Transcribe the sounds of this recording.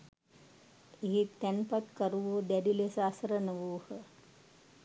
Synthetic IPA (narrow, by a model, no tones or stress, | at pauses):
eɦit̪ːænpat̪kəɾuʋod̪æɖilesaːsəɾənəʋoːhə